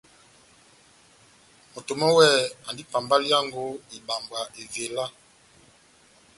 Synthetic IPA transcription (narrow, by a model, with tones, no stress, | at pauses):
mo˨to˨mɔ˦wɛ˦˨a˨ndi˦pa˨mba˦li˦a˦ŋɡo˦i˨ba˨mba˨ʔe˨ve˨la˦